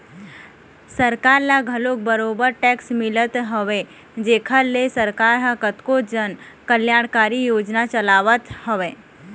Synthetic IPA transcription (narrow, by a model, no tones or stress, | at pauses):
səɾkaːɾlaɡʱəlok̚bəɾobəɾʈɛksmɪlət̪ɦoʋe | d͡ʒekʰəlesəɾkaɾɦãkət̪kod͡ʒən | kəljaɽ̃kaːɾijoːd͡ʒnat͡ʃəlaːʋət̪ɦoʋeː